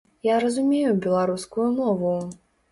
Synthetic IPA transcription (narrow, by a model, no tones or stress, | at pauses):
jaɾɐzumʲejubʲɛlˠaɾuskujumɔvu